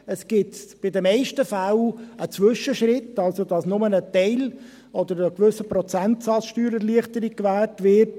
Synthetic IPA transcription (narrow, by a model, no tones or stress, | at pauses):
əsɡ̥ɪtb̥ɪdəmɛɪʃtəfælət͡sʋʏʃəʃɾɪtːɑlsod̥ɑsnʊmənətɛɪl | ɔd̪əɾəkʋʏsəpɾɔt͡sæntsɑt͡sʃtyːɾɛɾliəχtəɾikkʋæːtʋɪɾt